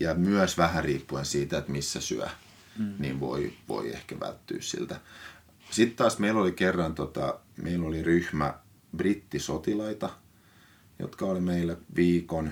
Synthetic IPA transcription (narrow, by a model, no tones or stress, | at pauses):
jɑmyæsʋæhæriːpːuensiːt̪æet̪misːæsy̰æ̰ | nḭːnʋo̰iʋo̰iḛhkæʋæ̰lt̪ːy̰ːssḭlt̪æ | sit̪t̪ɑːsmeilolikerːɑnt̪ot̪ɑ̰ | mʔeilːoliryhmæ̰ | b̥rit̪ːisot̪ilɑit̪ɑ | jo̰t̪kɑolimeilːæʋiːkon